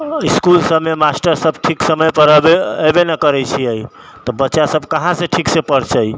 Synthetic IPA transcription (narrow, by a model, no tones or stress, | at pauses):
iskulsəbmemasʈəɾsəbʈʰiksəməjpəɾəbeːbenəkəɾɛt͡ʃʰiəj | t̪ɔbətːʃasəbʱkəɦãsẽʈʰiksepəɽt͡ʃəj